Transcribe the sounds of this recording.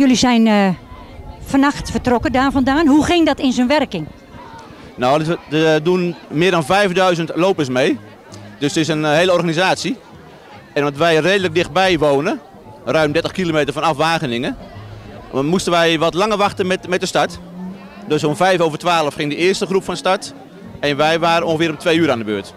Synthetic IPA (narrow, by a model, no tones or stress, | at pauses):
jølisɛjn | fɔnaxtfətrɔkədaːfɔndaːnhuxɪŋdɔtɪnsonʋɛrkɪŋ | nodədunmɪːədɔnvɛjfdœɥzəntloːwpəsmeː | døsdəɪs̬ənheːləɔrɣanizaːsi | ɛnʋɔtʋɛjreːdələk̚dɪxt̚bɛjʋoːnə | rœɥmdɛtəχkilomeːtərfɔnafʋaːɣənɪŋə | mustənʋɛjʋɔtlaŋərʋɑxtənɛmɛt̚dəstat | døsonvɛjfoːvərtʋaːləfχɪŋdəɪərstəχrupfɔnstat | ɛnʋɛjʋaːɾənoŋxəfɪːrʊmtʰʋeːyəɾaːndəbøːət